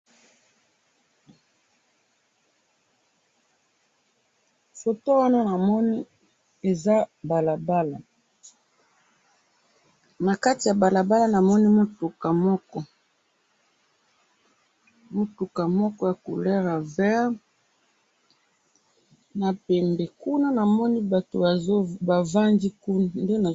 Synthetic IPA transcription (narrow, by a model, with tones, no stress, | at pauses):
fo˨to˦wa˦na˦na˨mɔ˦ni˦ | e˨za˦ba˨la˨ba˦la˨ | na˨ka˦ti˨ja˨ba˨la˨ba˦la˦na˨mɔ˦ni˦mo˦tu˨ka˨mɔ˦kɔ˦ | mo˨tu˨ka˨mɔ˦kɔ˦ja˨ko˨lɛ˦ʁa˨vɛ˦ʁ | na˨pɛ˨mbɛ˨ku˦na˦na˨mɔ˦ni˦ba˨to̰˨˦ba˨va˦ndi˦ku˦n˦˨nde˦na˨